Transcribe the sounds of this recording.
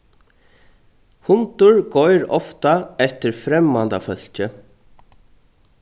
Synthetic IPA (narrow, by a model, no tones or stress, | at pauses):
hʊnt̪ʊɹkɔjɾɔft̪aɛht̪ɪɾfɾɛmːant̪afœl̥t͡ɕʏ